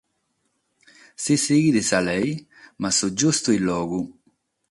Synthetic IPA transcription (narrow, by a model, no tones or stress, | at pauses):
sisiːɡid̪isalɛj | masud͡ʒːust̪uilːɔːɡu